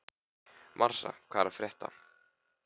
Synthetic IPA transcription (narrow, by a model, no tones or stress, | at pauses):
mʔar̥sa̰kʰv̥aːɛɾafɾjɛht̪a̰